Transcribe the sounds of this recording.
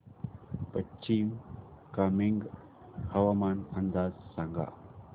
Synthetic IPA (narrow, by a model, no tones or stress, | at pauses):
pɐt͡ʃiːm | kamɪŋɡ | hɐʋaːmaːnɐnd̪aːzsaŋɡa̰ː